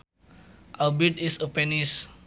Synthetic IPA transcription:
ʔawbidisəpɛnis

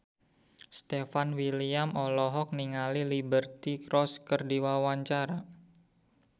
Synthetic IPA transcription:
st̪efanwiliamɔlɔɦɔk̚niŋalilibərt̪ikɾɔskərdiwawaɲt͡ʃaɾa

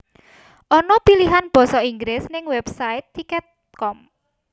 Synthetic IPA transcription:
ʔɔnɔpiliɦanb̥ɔ̤sɔiŋɡɾɪsnɪŋwɛb̥sait̪ːikɛt̪̚ | kɔm

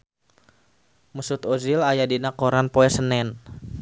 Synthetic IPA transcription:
musut̪ozilajadinakoɾanpoɛsənɛn

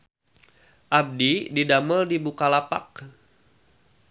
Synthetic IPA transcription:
ʔab̚dididaməldibukalapa̰k̚

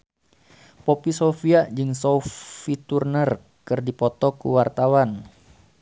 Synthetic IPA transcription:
popisofiaʔd͡ʒɨŋsoffit̪urnər | kɨrdipɔt̪ɔkṵwart̪awan

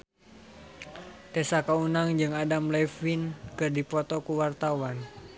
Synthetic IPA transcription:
t̪ɛsakaunaŋd͡ʒɨŋadamlɛfinkɨrdipɔt̪ɔkuwart̪awan

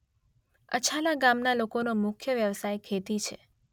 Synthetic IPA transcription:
ə̰t͡ʃʰalaɡamnalokonomʊkʰjəʋjəʋsajkʰet̪it͡ʃʰe

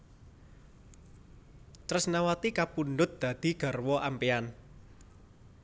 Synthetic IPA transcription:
t̪ɾʊsnawat̪ikapunɖʊt̪̚d̪̥ä̤d̪̥i̤ɡ̥a̤rwɔʔampean

